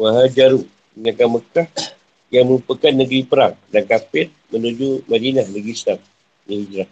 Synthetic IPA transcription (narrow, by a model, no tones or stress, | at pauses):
waɦad͡ʒaɾu | ɲakaməkah | jaŋməɾupakanːəɡɾipəɾaŋdankapɪt̪̚mənud͡ʒumadinahnəɡistaŋ̚ | niid͡ʒɾah